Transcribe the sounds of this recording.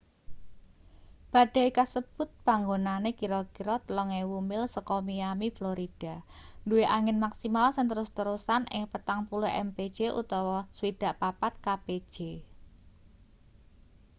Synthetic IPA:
b̥a̤ɖ̥a̤ikasəb̥ʊ̤t̪̚paŋɡonanekiɾɔkiɾɔt̪əlɔŋewumɪlsəkɔmiamifloɾid̥a̤nduweʔaŋɪnmaksimalsənt̪əɾʊst̪əɾusanɪ̰ŋpət̪aŋpulʊʔɛ̰mpe̥d͡ʒ̥eʔṵt̪ɔwɔswid̥a̤ʔpapat̪̚kabe̥ʒ̥e

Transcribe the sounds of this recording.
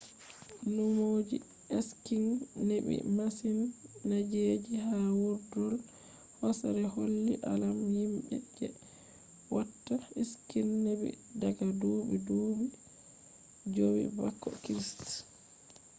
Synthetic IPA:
numod͡ʒḭ | ʔɛskiŋnebḭmasinːad͡ʒed͡ʒiɦawuɾdɔl | hɔsaɾɛholːiʔalamhimɓɛ̰d͡ʒɛ | watːaiskinːebḭ | daɡaduːbiduːɓi | d͡ʒowḭba̰kːɔ̰kɾist

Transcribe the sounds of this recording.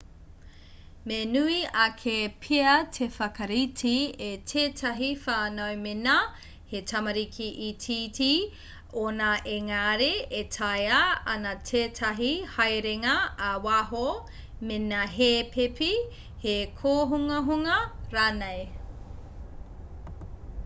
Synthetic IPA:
menuiɐkʰepʰiɐtʰefɐkɐɾitʰietʰeːtʰɐɦifaːnojmenɐ | hetʰɐmɐɾikʰiʔitʰitʰi | onɐʔeŋaːɾeetʰɐjɐɐnɐtʰeːtʰɐɦihɐjɾeŋɐːwaɦo | menɐɦepʰepi | hekʰoːɦuŋɐɦuŋɐɾaːnej

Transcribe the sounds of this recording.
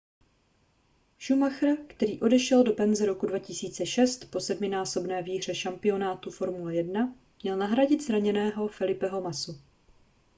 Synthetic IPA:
ʒumaxrkt̪ɛɾiːʔo̞dɛʃɛldo̞pɛnzɛɾo̞kudvacɪsiːt͡sɛʃɛst̪po̞sɛdmɪnaːso̞bnɛːviːɦr̝̥ɛʃampɪo̞naːt̪ufo̞ɾmulɛjɛdna | mɲɛlnaɦɾaɟɪt̪zɾaɲɛnɛːɦo̞fɛlɪpɛɦo̞masu

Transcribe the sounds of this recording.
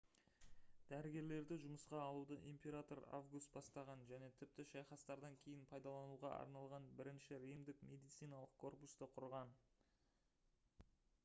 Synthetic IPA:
d̪æɾɪɡʲe̞ɾle̞ɾd̪ɪʒʊməsqɑːlˠud̪əʔimpʲe̞ɾat̪o̞ɾa̰vɡust̪̚bɑst̪ɑʁɑnʒæne̞t̪ʰɪp̚t̪ɪʃɑjχɑst̪ɑɾd̪ɑŋkʲʰe̞jɪnpʰɑjd̪ɑlˠɑnuʁɑʔɑ̰ɾnɑlˠʁɑnbɪɾɪnʃɪɾijmd̪ɪkmʲe̞d̪ijt̪sɨjnɑlˠəq̚kʰo̞rpust̪əqʰʊɾʁɑn

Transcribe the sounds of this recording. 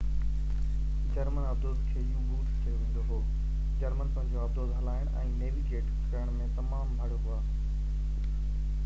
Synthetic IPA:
d͡ʑɐɾmənɐb̚d̪oːd̪kʰeːijũɡuːʈʰt͡ɕɐjoʋẽːnd̪oɦoː | d͡ʑɐɾmənpɐ̃ɦɪ̃ɲd͡ʑoɐb̚d̪oːzɦɐlaːɪɽ̃ʔɛ̃ːneːʋiɡeːʈ | kɐɾəɽ̃mẽt̪ɐmaːmbʱɐɽ̤oɦʊaː

